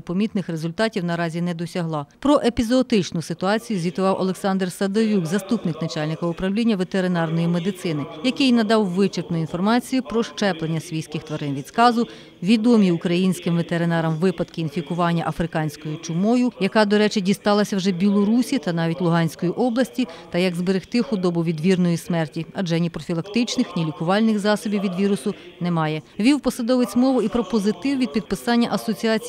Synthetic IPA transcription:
pɔmʲit̪nɪxɾezʊlʲt̪ɑtʲiwnɐɾɑzʲinɛd̪ɔsʲɐɦlˠɑpɾɔʔepʲizːt̪ɪt͡ʃnʊsɪt̪ʊɑt͡sʲijʊzʲʋʲit̪ʊʋɑwʔɔlˠeksɑnd̪rsɐd̪ɔʋʲukzɐst̪upnɪknɐt͡ʃɑlʲnɪkɐʊpɾɐwlʲinʲːɐʋet̪eɾɪnɑrnɔjimed̪ɪt̪sɪnɪjɐkɪjnɐd̪ɑwʋɪt͡ʃɪrp̪nʊinfɔrmɑt͡sʲijʊpɾɔʃt͡ʃɛplˠenʲːɐsʲʋʲijsʲkɪxt̪ʋɐɾɪnʋʲid̪skɑzʊ | ʋʲid̪ɔmʲiʊkɾɐjinʲsʲkɪmʋet̪eɾɪnɑɾɐmʋɪpɐd̪kɪːnfʲikʊʋɑnʲːɐʔɐfɾɪkɑnʲsʲkɔjʊt͡ʃʊmɔjʊjɐkɑd̪ɔɾɛt͡ʃɪdʲist̪ɑlˠɐsʲɐwʒɛbʲilˠɔɾusʲit̪ɐnɑʋʲitʲlˠʊɦɑnʲsʲkɔjiʔɔblˠɐsʲtʲit̪ɐjɐɡzbeɾɪxt̪ɪxʊd̪ɔbʊʋʲid̪ʋʲirnɔjismɛrtʲiɐd͡ʒɛnʲipɾɔfʲilˠɐkt̪ɪt͡ʃnɪxnʲilʲikʊʋɑlʲnɪxzɑsɔbʲiwʋʲid̪ʋʲiɾʊsʊnɛmɑjɛʋʲiwpɔsɐd̪ɔʋet͡sʲmɔʋʊipɾɔpɔzɪt̪ɪwʋʲid̪̚pʲid̪̚pɪsɑnʲːɐʔɐsɔt͡sʲiɑt͡sʲ

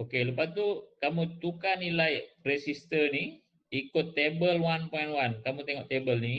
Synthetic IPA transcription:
okeləpat̪ukamut̪ukanilajresist̪ərni | ikʊt̪ːebəlwanpɔinwankamut̪eŋɔʔt̪ebəlni

